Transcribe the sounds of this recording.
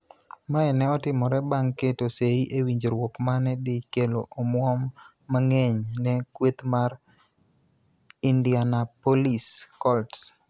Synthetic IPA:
maɛnɛɔtɪmɔɾɛbaŋketoseiʔewiɲd͡ʒoɾwokmanɛdɪkeloʔomwɔmː | aŋeɲnɛkwet̪maɾ | indjanapoliskɔlts

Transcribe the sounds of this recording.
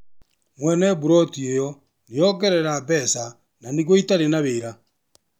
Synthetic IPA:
mwɛnɛβuɾɔtiejɔ | nejɔɡɛɾɛɾabɛsa | naniɣoitaɾenaβeɾa

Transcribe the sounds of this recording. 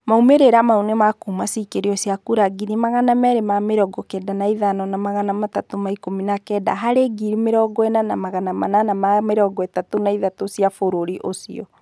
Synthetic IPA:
maumeɾeɾamaunemakumasikeɾiɔsiakuɾaɡinimaɣanamɛɾemameɾɔɡɔkɛdanaiðanɔnamaɣanamatatomaikominakɛda̰ɦaɾeɡiɾimeɾɔɡɔɛnanamaɣanamananamameɾɔɡɔetatonaiðatosiafoɾoɾiʔosḭɔ

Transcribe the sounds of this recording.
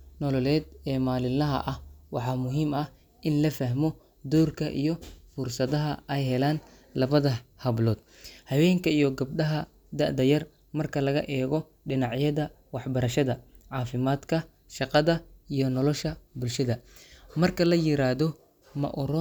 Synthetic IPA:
nɔlɔlɛːd̪ɛːmaːlɪlɐɦɐ̰ʔɐhwɑħɑːmʊɦiːmɐh | ʔɪnlɐfɐɦmɔ | d̪uːrkʰɐʔḭjɔfʊrsɐðɐɦɐɛjɦɛlaːn | lɐβɐðɐhɐβlɔːd̪̥ | hɐwɛːŋkʰɐijɔɡɐb̚ɖɐɦɐ | d̪ɐ̰ʔd̪ɐjɐr | mɐrkʰɐlɐɣɐʔɛːɣɔ | ɖɪnɑʕjɐðɐ | wɑħbɐɾɐʃɐðɐʕɑːfɪmaːd̪kʰɐ | ʃɑqɑðɐijɔnɔlɔʃɐbʊlʃɐðɐmɐrkʰɐlɐjɪɾaːðɔ | mɐ̰ʔʊɾɔ

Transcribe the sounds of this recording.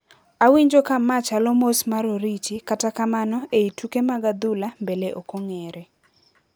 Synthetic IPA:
awiɲd͡ʒokamat͡ʃalɔmosmaɾoɾit͡ʃikatakamanɔeitukemaɡad̪ulambeleʔokoŋeɾe

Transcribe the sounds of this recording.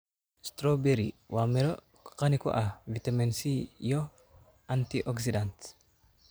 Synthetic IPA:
st̪ɾobɛɾiwʔaːmɛɾɔ | kɐnɪkɔ̰ʔavɪt̪ɐmɛnsijɔ | ɐnt̪iʔɔks̬ɪd̪ant̪

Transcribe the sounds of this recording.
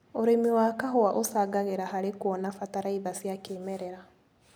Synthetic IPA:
oɾemiwakaɦoaʔosaɡaɣeɾahaɾekwɔnafataɾaiðasjakeːmɛɾɛɾa

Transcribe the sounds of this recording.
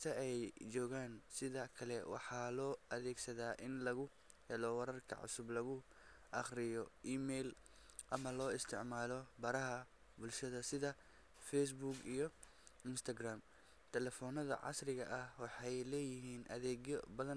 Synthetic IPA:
sʰɐɛjd͡ʒɔːɣaːnsɪðɐkʰɐlɛwɑ̰ħɑːlɔːʔɐðɛːɡsɐðaːʔɪnlɐɣʊ | hɛlɔwɐɾɐrkʰɐ̰ʕʊ̰sʊblɐɣʊ | ʔɑχrɪjɔʔiːmɛːl | ʔɐmɐlɔːɪst̪ʰɪʕmaːlɔbɐɾɐɦɐ | bʊlʃɐðɐsɪðɐ | fɛs̬buɡijɔ | ɪnst̪ʰɐɡraːm | t̪ʰɛlɛfɔːnɐðɐ̰ʕɑ̰srɪɣɐʔɐhwɑħɑjlɛːjɪɦiːnʔɐ̰ðɛːɣjbɐðɐn

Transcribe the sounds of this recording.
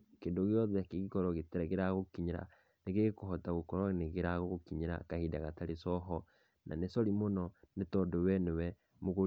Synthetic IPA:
kendoɣjɔðɛkeɣikɔɾɔɣetɛɾɛɣeɾaɣokiɲiɾa̰ | neɣekoɦɔtaɣokɔɾwaneɣeɾaɣoɣokiɲiɾa̰kahidaɣataɾesɔɦɔ | na̰nesɔɾimonɔnetɔdowɛnewɛ | moɣo

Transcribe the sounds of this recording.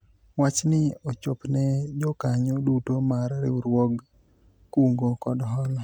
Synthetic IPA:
wat͡ʃnɪot͡ʃopnɛd͡ʒɔkaɲodutomaɾɾɪ̰uɾwɔɡ | kuŋɡokɔdɦɔlɔ

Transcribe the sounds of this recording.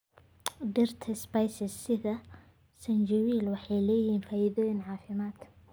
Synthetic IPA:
ɖɪrt̪ʰɐspɐjsɪsːɪðɐ | sɐnd͡ʒɐwiːlwɑħɑjlɛːjhiːnfaːjɪðɔːjɪnʕɑːfɪmaːd̪

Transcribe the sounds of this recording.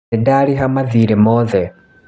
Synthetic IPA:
ɛdaliɦamaðiɾɛmɔːðɛ

